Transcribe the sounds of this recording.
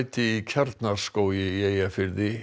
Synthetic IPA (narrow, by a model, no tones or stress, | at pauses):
jt̪ɪicʰaɾt̪naɾ̥skoːwjɪjeːjafɪɾðɪ